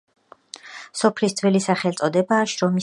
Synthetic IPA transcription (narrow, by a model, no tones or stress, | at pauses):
sɔpʰlisd̪z̥wɛlisaχɛlt̪sʼɔd̪ɛbaːʃɾɔmi